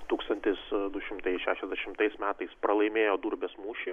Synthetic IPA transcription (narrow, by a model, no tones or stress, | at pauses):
t̪uːkst̪ɐnʲt̪ʲɪsd̪ʊʃʲɪmt̪ɐɪʃʲæːʃʲɛzʲd̪ʲɛʃʲɪmt̪ɐɪsmʲæːt̪ɐɪspɾɐlˠɐɪmʲeːjoːd̪uːɾʲbʲeːsmuːʃʲe